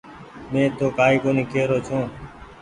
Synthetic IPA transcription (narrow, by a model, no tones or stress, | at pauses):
mẽːt̪ʰoːkaːiːkoːniːkeːɾoːt͡ʃʰõː